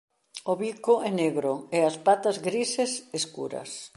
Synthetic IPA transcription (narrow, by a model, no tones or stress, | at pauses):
oβikoʔɛneɣɾoeaspat̪ɐzɡɾiseseskṵɾɐ̰s